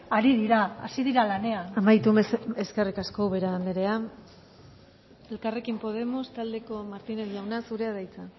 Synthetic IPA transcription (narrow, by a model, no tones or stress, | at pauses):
aɾiðiɾaa̰siðiɾalane̞anamajt̪umeskerikasko̞βeɾaːnd̪eɾe̞a | e̞lkare̞kimpo̞ð̞e̞mo̞st̪ald̪e̞ko̞maɾt̪ineɾʝawnasuɾe̞aðajt͡sa